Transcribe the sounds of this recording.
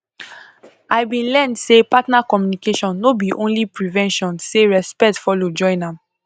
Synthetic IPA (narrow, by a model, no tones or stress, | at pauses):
aɪbĩnlɛ̃ndsepatnakɔmjunikeʃɔ̃nːobiʔõnlipɹivɛ̃nʃɔ̃nseɹɛspɛtfɔlod͡ʒɔ̃ɪ̃nãm